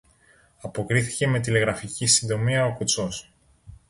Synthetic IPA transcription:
ɐpo̞kɾiθi̥ce̞me̞t̪ile̞ɣɾɐficisind̪o̞miɐo̞kut͡so̞s

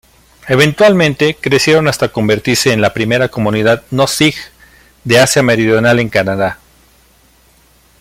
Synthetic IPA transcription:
e̞β̞e̞nt̪walmẽ̞nt̪e̞kɾe̞sje̞ɾo̞nast̪ako̞mbe̞ɾt̪iɾse̞ːnlapɾime̞ɾako̞mũniðaðnosix | d̪e̞asjame̞ɾiðjo̞nale̞ŋkanaða

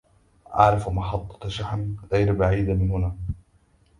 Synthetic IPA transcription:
ʔɑ̰ʕɾˤɑfmɑħɑt̪ˤːɑ̥ʃaħnɣajɾbaʕiːd̪mɪnhʊnaː

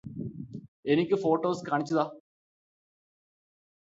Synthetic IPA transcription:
enikʲːɨfo̞ːʈːoːskaːɳit͡ɕːɐðaː

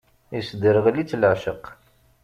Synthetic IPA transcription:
isd̪əɾəʁlit͡sːləʕʃəq

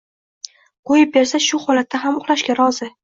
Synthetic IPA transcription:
qʰojɪp̚be̞ɾsaʃʊχɒlat̪ʰːaɦamʊχlˠaʃkʲaɾɒzɪ

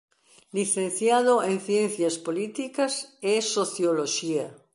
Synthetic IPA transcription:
liθẽnθjaðoẽnθjenθjaspolit̪ikasesoθjoloʃia

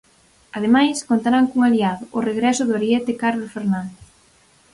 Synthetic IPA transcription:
aðemajskont̪aɾaŋkuŋaliaðʊʔːreɣɾɛsʊðoɾjɛt̪ɪkaɾlosfeɾnãnd̪

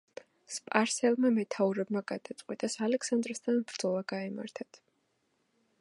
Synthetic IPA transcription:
spʼaɾsɛlˠmamɛt̪ʰauɾɛbmaɡad̪̥at̪sʼqʼwit̪ʼasalɛksand̪ɾst̪ʰanbɾd̪z̥ɔlˠaɡaɛma̰ɾt̪ʰat̪ʰ

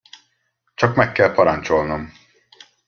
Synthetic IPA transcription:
t͡ʃɒkmɛkːɛlpɒɾɒnt͡ʃo̞lnom

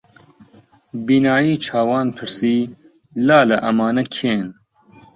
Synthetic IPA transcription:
biːnaːjiːt͡ʃʰaːwɑːnpʰɨɾsiː | laːlɐʔɐmaːnɐkʰeːn

